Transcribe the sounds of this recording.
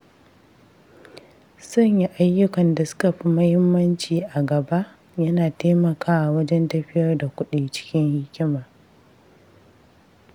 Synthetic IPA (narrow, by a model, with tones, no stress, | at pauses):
sɐ˦ɲji˦ʔa˦jːʊ˦kɐ˨nda˨sʊ̥˦kɐ˨ɸi˦mɐ˦hɪ˦mːɐ˦nt͡ʃiː˨ʔa˨ɡɐ˨ba˦ʔ | jɐ˦naː˨teː˦mɐ˨kʰaː˦wa˨wɐ˦d͡ʒɛ˦ntɐ˦ɸɪ˦jɐ˦rda˨kʷʊ˦ɗiː˨t͡ʃɪ̥˦kʲɪ˦ŋhɪ˦kʲɪ˦maː˨